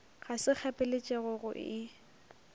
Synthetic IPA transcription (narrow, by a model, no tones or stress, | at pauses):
ɣasɪk͡xʰapʼɪlet͡ʃʼɛɣʊɣʊ̰ʔɪ